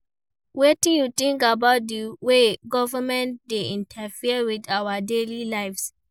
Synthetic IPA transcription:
wetĩjutĩŋkabaʊt̚diweɡɔvəmɛ̃ntdeĩntʰafiəwidawadelilaɪfs

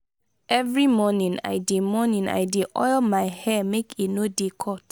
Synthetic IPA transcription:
ɛvɹimɔnĩna̰ɪdemɔnĩna̰ɪdeʔɔɪlmaɪhɛmekʰenodekʰɔt

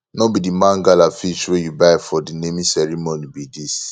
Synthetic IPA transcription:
nɔbidimãŋɡalafit͡ʃwejubaɪfɔdinemisɛɹimonibidis

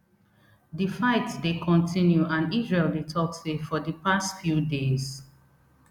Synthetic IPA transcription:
difaɪtdekʰɔ̃ntʰĩnjuãnizɹeldetʰɔksefɔdəpastfjudez

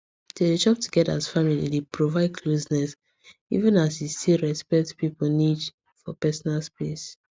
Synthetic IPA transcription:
ded͡ʒɔp̚tʰuɡɛda̰sfamilḭlepɹovaɪd̚kʰlosnɛs | ḭvə̃nasistilɹɛspɛk̚tpiponit͡ʃ | fɔpɛsɔnalspes

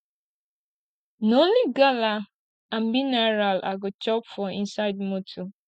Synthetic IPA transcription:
nonliɡala | ãm̩minaɹalʔa̰ɡot͡ʃɔpfɔḭ̃nsaɪdmotʰɔ

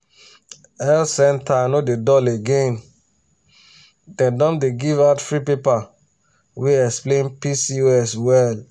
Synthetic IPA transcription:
ɛlsɛ̃ntʰanodedɔleɡẽn | dɛ̃dɔ̃mdeɡivaʊtfɹipepa | weɛksplẽnpisioɛswɛl

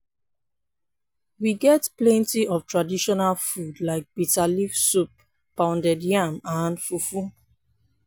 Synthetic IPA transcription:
wiɡɛtplɛ̃ntiʔɔftɹadiʃɔnalfudlaɪk̚b̥italifsupː | ãʊ̃ndɛdjamãnfufu

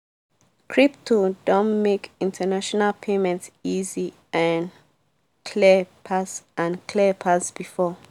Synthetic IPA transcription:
kʰɹip̚tʰodɔ̃nmekĩntʰənaʃɔnalpʰemɛ̃ntsizi | ʔãn | kʰlipʰasãnkʰlipʰasb̥ifɔ

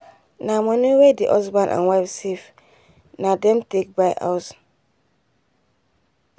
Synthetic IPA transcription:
namɔ̃niwediʔɔsbãnʔã̰nwaɪfsef | nadɛ̃mtek̚bajʔa̰ʊs

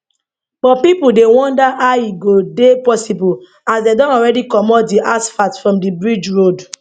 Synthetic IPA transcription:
b̥ɔpipudewɔ̃ndaʔaiɡodepɔsibul | asdedɔ̃nɔɹɛdikɔmɔtdiʔasfatfɹɔ̃mdibɹid͡ʒɹod

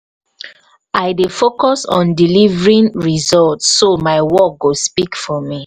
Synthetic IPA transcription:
aɪdefokɔsɔ̰̃ndilivɹĩnɹizɔltːomaɪwɔk̚ɡospikfɔmi

